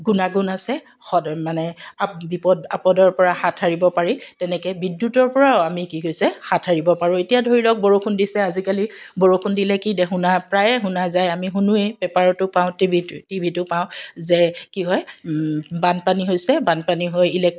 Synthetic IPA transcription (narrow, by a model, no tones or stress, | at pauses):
ɡunaɡunasɛ | xɔdɔmanɛabipɔdapɔdɔɹpɔɹaxatʰaɹibɔpaɹitɛnɛkɛbidːutɔɹpɔɹaamikiɦojsɛhatʰaɹibɔpaɹʊ̃etijadʱoɹilɔk̚boɹokʰundisɛazikaliboɹokʰundilɛkidɛɦunapɹajɛɦunazajamiɦunuepɛpaɹɔtʊpaʊ̃tbʱitibʱitʊpaʊ̃zɛkiɦɔj | banpaniɦojsɛbanpaniɦojilɛk̚